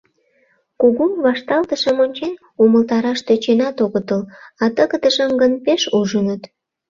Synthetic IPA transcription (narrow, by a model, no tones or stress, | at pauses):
kuɣumβɑʃt̪ɑlt̪əʃəmonʲt͡ɕen | uməlt̪ɑɾɑʃt̪øt͡ɕenɑt̪oɣət̪əlɑt̪əɣəd̪əʒəmɡənpeʃuʒənət̪